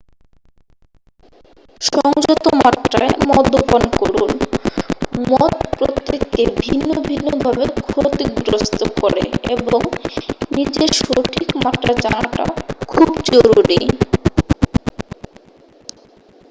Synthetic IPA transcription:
ʃɔŋd͡ʑot̪omaʈɾa̰emɔd̪ʱːopankoɾun | mɔt̪pɾot̪ːikːeɾbʱinːobʱinːobʱabekʰot̪ik̚d̪ɾost̪okoɾḛeboŋnid͡ʑeɾʃoʈʰikmaʈɾad͡ʑawaʈa̰kʰubd͡ʑoɾuɾḭ

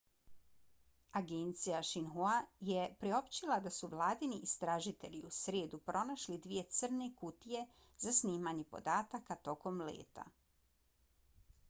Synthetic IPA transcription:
aɡent̪sijaʃinɦuajepɾio̞pt͡ɕilad̪asuʋlˠaːd̪iniʔːst̪ɾaʒit̪e̞ʎiusɾeːd̪upɾʔo̞naʃlid̪ʋije̞t̪sr̩ne̞kut̪ije̞ | zasniːmaɲe̞po̞̰d̪aːt̪akat̪o̞ko̞mlḛːt̪a̰

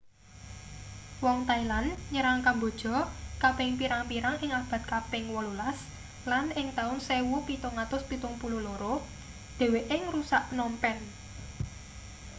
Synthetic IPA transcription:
wɔŋt̪ailanɲəɾaŋkambo̤d̥ʒ̥ɔ̤kapɪŋpiɾaŋpiɾaŋʔɪŋab̥a̤t̪̚kapɪŋwɔlulas | lanɪŋt̪aʊnsewupit̪ʊŋːat̪ʊspit̪ʊŋpululoɾo | d̪̥e̤weʔɪŋɾusaʔnɔmpɛn

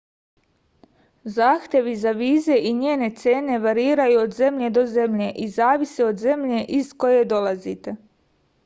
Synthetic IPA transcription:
zaːxt̪je̞ʋizaʋiːze̞ʔiɲeːne̞t̪seːne̞ʋaɾiːɾajuod̪ze̞mʎe̞d̪o̞ze̞mʎe̞ʔizaːʋiseo̞d̪ze̞mʎe̞ʔizko̞je̞d̪o̞lˠazit̪e̞

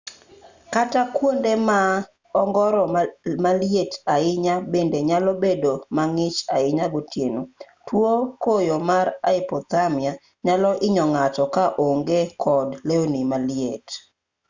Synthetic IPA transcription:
katakwondema | ɔŋɡɔɾɔmaljetaɪɲabendeɲalɔbedomaŋɪt͡ʃaɪɲaɡotjeno | twokojomaɾaɪpɔt̪amia | ɲalɔʔɪɲɔŋatɔkaʔoŋɡekʰɔdleonimaljet

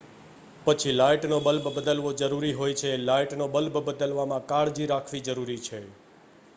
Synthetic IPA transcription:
pət͡ʃʰilajʈnobəlbʱbəd̪əlʋod͡ʒəɾuɾiɦojt͡ʃʰelajʈnobəlbʱbəd̪əlʋamãkaɭd͡ʒiɾakʰʋid͡ʒəɾuɾit͡ʃʰe

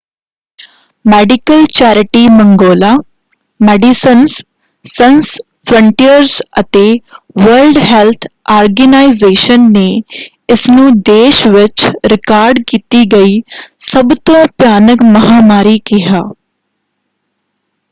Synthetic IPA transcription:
mɛːɖɪkəlt͡ʃɛːɾɪʈiːmə̃ŋɡoːlaː | mɛːɖisəns | səns | pʰɾə̃ɳʈijəɾzət̪eː | ʋəɾlɖɦɛːlt̪ʰaːɾɡənaːɪzeːʃənːeː | ɪsnũːd̪eːʃʋɪt͡ʃɾɪkaːɾɖkiːt̪iːɡəiːsəbt̪õːpjaːnəkməɦaːmaːɾiːkɪɦaː

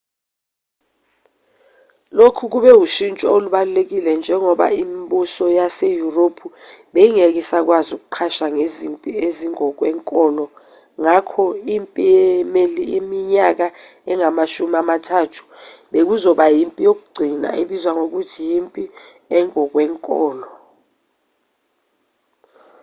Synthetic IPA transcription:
lokʰuk̬uɓɛuʃint͡ʃʼɔoluɓalulek̬ilɛnd͡ʒʱɛŋɔɓa̰imɓusɔjasejuropʰuɓejiŋek̬isak̬wazuk̬uǃʰaʃaŋezimpʼieziŋɔk̬wɛːŋkʼɔːlɔ | ŋakʰɔimpʼiɛmeliʔimiɲak̬a | ɛŋamaʃumiamatʰatʰu̥ɓek̬uzɔɓajimpʼijok̬uɡ͡ǀʱina̰ʔeɓizwaŋok̬utʰijimpʼi | ɛŋɔk̬wɛːŋkʼɔːlɔ

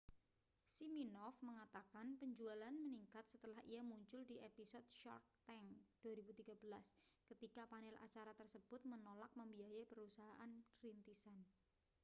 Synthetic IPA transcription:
siminɔfməŋat̪akanpəɲd͡ʒualanməniŋkat̪̚sət̪əlahijamuɲt͡ʃʊldiʔepisɔt̪̚ʃɔ̰rt̪ː | ɛŋd̥uaɾibut̪iɡ̥abəlaskət̪ikapanɛlʔa̰t͡ʃaɾat̪ərsəb̥ʊt̪̚mənolak̚məmbiajapəɾusaɦaʔanɾint̪isan

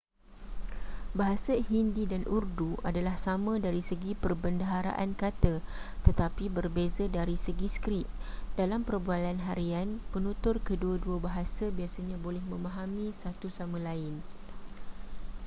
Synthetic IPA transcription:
baɦasahindidanʔurduʔadalahsamãdaɾisəɡipərbəndaɦaɾa̰ʔankat̪ət̪ət̪apibərbezadaɾisəɡiskɾit̪̚d̥alampərbualanɦaɾianpənũt̪ʊrkəduəduabaɦasabiasaɲãbolɛhmə̃mãɦamĩsat̪usamãlaɪn

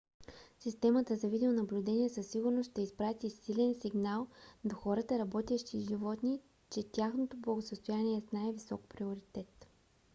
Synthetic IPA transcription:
sist̪ɛmət̪əzɐvid̪ionɐblʲud̪ɛnʲiɛsəsːiɡʊɾnosʃt̪ɛispɾat̪isilɛnsiɡnalˠd̪oxɔɾət̪əɾɐbɔt̪ʲɛʃt̪iʒivɔt̪ni | t͡ʃɛt̪ʲjaxnot̪oblˠəɡosəst̪ojaniɛsnaɛvisɔk̚pɾioɾit̪ɛt̪

